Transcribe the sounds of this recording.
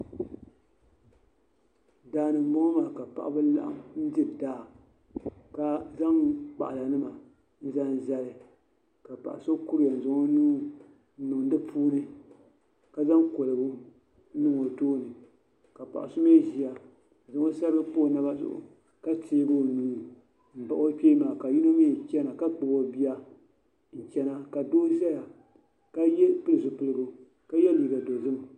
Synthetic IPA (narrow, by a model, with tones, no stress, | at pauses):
daː˨nɨ˨mo˦ma˨ka˨pa̰˨ʔa˦bɨ˦la̰˦ʔa̰˦mn̩˦dɨ˦˨daː˦˨ | ka˦za˦ŋk͡pa̰˨ʔa˨la˨nɨ˦ma˨ | n̩˦za˦n˦za˦lɨ˨ | ka˨pa̰˨ʔa˨so˦ku˦ɾi˦ja˨n̩˨zʊ˨ŋo˦nuː˦ | nu˨ŋ˨dɨ˦pʰuː˦nɨ˦ | ka˨za˦ŋko˨lɨ˨bu˦ | nɨ˦ŋo˨toː˦nɨ˨ | ka˨pa̰˨ʔa̰˨sʊ˦me˦˨ʒi˨a˨ | zʊ˨ŋo˦sa˦ɾɡɨ˦po˦˨˦na˦ba˦zʊ̰˨ʔʊ̰˨ | ka˦tʰeː˦bo˦˨nuː˦˨ | m̩˨ba˨ʔo˦pʲeː˦maː˨ka˨ji˦no˦mi˦˨t͡ʃɛ˦na˨ka˦k͡pɨ˨bo˨bi˦a˦ | n̩˦t͡ʃɛ˦na˦ka˨doː˦za˦ja˨ | ka˦jɛ˦pɨ˦lɨ˨zʊ˨pɨ˨lɨ˨ɡo˨ | ka˦jɛ˦liː˨ɡa˨do˨zɨ˦m˨